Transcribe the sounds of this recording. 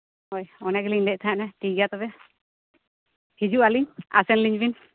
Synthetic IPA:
hɔjɔnaɡɛliɲd̪ɛʔ̚t̪ʰaanaʈiɡat̪ɔbɛ | hid͡ʒuʔaliɲa̰sɛnliɲbin

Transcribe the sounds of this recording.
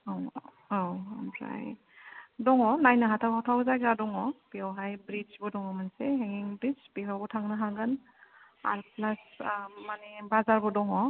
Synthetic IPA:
awamza̰j | dɔŋɔnajnɯɦatʰawɦatʰawzajɡadɔŋɔpiɔwɦajbɾid͡ʒbɔdɔŋɔmanseɦeŋiŋbɾid͡ʒbiɦabɔtʰaŋnɯɦaŋɡɯn | a̰ɾplasmanebazaɾbɔdɔŋɔ

